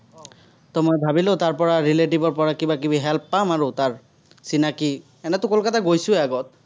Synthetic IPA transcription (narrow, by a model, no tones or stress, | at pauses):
tɔmɔjbʱabilotaɹpɔɹaɹileʈ̬ibɔɹpɔɹakibakibiɦɛlpːamaɹutaɹ | sinaki | ɛnɛtʊkolkataɡojsʊɛaɡɔt̚